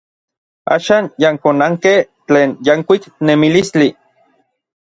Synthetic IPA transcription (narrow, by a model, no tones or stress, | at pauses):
a̰ːʃaːnjaŋkonaŋkeh | t͡ɬeːnjaŋkʷiknemilist͡ɬi